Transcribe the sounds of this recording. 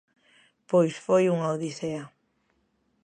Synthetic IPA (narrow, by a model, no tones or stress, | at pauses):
pojsfojuŋaoðiθea